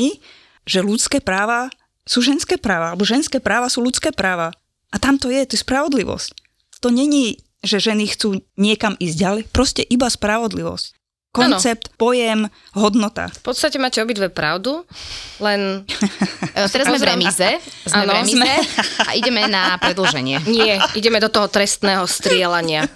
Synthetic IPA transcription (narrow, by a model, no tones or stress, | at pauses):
i | ʒ̥ɛlut͡skɛːpɾaːʋa | suːʒɛnskɛːpɾaːʋaalɛbɔʒɛnskɛːpɾaːʋasuːlut͡skɛːpɾaːʋa | ʔat̪amt̪ɔjɛt̪ɔjɛspɾaʋɔd̪liʋɔ̰sc | t̪ɔɲɛɲi | ʒɛʒɛnixt͡suːɲɪɛkamiːzɟɟalɛjpɾɔscɛʔibaspɾaʋɔd̪liʋɔ̰sc | kɔnt͡sɛp̚t̪pɔjɛm | ɦɔd̪nɔt̪a̰fpɔt̪st̪acɛmaːcɛɔbit̪ʋɛpɾa̰ʊd̪ulɛn | t̪ɛɾazzmɛvɾɛmizɛzamːɛnɾɛmzmɛa̰ʔiɟɛmɛnapɾɛd̪l̩ʒɛɲɪɛɲɪɛiɟɛmɛd̪ɔt̪ɔɦɔt̪ɾɛst̪nɛːɦɔst̪ɾɪɛlaɲɪa